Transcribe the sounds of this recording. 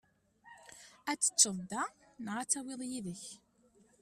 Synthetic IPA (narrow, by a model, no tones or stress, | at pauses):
æt͡sːə̥t͡sːəðˤd̪ænʁat͡sːæwɪðˤjiðəç